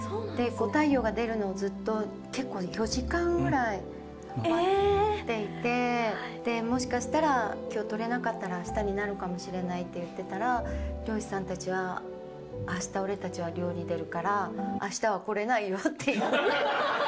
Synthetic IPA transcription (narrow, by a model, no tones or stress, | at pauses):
od̪̥e̞ko̞ːt̪aijo̞ːɡad̪e̞ɾɯ̟no̞ːzɨt̪ːo̞ | ke̞kːo̞ːjo̞ʑikãŋɡɯ̟ɾai | t̪ːe̞it̪e̞d̪̥e̞mo̞ɕ̬i̥kaɕi̥t̪aɾakʲo̞ːt̪o̞ɾe̞nakat̪ːaɾaːɕi̥t̪aɲ̟inaɾɯ̟kamo̞ɕiɾe̞nait̪ːe̞jɯ̟t̪ːe̞t̪aɾaɾʲo̞ːi̥sãnt̪at͡ɕiβaː | ɕi̥t̪ao̞ɾe̞t̪at͡ɕiβaɾʲo̞ːɾʲid̪e̞ɾɯ̟kaɾaːɕi̥t̪aβako̞ɾe̞naijo̞t̪ːe̞i